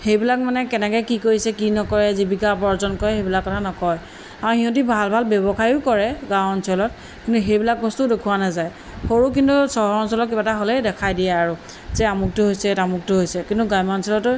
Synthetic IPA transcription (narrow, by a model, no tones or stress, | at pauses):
xejbilak̚manɛkɛnɛkɔjkikoɹisɛkinɔkɔɹɛzibikapɔɹzɔnkɔjxejbilakːɔtʰanɔkɔj | aɹuhiɦɔ̃tibʱalbʱalbjɔbɔkʰaɹiʊkɔɹɛɡãwɔnsɔlɔt̚ | kintuɦejbilak̚bɔstudekʰuwanazaj | xoɹuk̬intusɔɦɔɔnsɔlɔtkibataɦolɛdɛkʰajdijaaɹu | zɛamuk̚tʊɦojsɛtamuk̚tʊɦojsɛkintuɡajmansɔlɔtʊ